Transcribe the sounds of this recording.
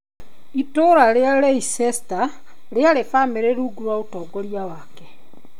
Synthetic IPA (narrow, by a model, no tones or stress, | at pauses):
itoɾaɾeaɾeisɛsta | ɾeaɾefameɾeɾuːɡuɾwaotɔːɡɔɾiawakɛ